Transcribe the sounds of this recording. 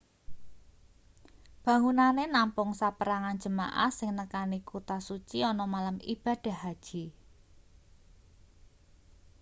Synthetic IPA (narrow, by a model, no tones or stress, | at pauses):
b̥a̤ŋunanenampʊŋsapəɾaŋan̥d͡ʒə̤ma̰ʔa̰hsɪŋnəkanikot̪asut͡ʃiɔnɔmalamḭb̥a̤ɖ̥a̤ɦad̥ʒ̥i